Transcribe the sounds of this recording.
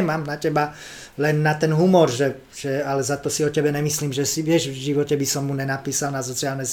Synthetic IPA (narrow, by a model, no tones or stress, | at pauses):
ɛmaːmnacɛba | lɛnːat̪ɛnɦumɔɾʒɛ | ʒ̥ɛalɛzat̪ɔsiɔcɛbɛnɛmisliːmʒɛsiʋɪɛʒvʒiʋɔcɛbisɔmːuɲɛnapiːsalnas̬ɔt͡sialnɛz